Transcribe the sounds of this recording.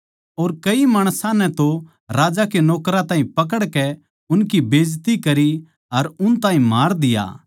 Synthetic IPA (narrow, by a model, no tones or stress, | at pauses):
oːɾkɐimaːɽ̃sãnɛt̪o | ɾaːd͡ʒakenɔːkɾãt̪ãːĩpɐk̬əɽkɛ | ʊnkibeːd͡ʒt̪ikɐɾi | ɐɾʊnt̪ãːɦĩmaːɾd̪ɪja̰ː